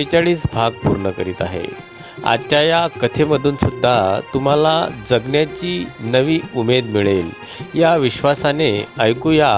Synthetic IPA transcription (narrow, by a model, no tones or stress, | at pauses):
jt͡ɕaɭiːt͡sbʱaɡ̚pṵɾɳəkəɾiːt̪a̰ɦḛ | a̰dt͡ɕajakət̪ʰeməd̪ʱuːnsud̪ʱːat̪um̤alad͡zəɡnjat͡ɕiːnəʋiːumed̪miɭel | jaʋiɕʋasaneəjkuja